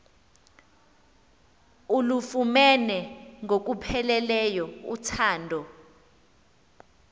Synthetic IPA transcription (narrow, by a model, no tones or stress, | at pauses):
ulufumɛnɛŋʱok̬upʰɛlɛlɛjɔṵtʰaːndʱɔ